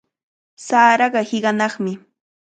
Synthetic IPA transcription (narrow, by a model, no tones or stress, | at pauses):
saːɾɑɢɑhɪɢɑnɑχmɪ